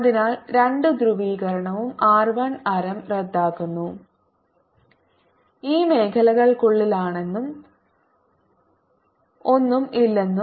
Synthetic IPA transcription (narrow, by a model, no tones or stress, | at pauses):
ɐðinaːlɾeɳɖɨd̪ɾuʋiːɣɐɾɐɳɐʋumaːrʋɐɳɐɾɐmred̪ːaːkːunːu | iːme̞ːkʰɐlɐɣɐɭkuɭːilaːɳe̞nːum | o̞nːumilːe̞nːu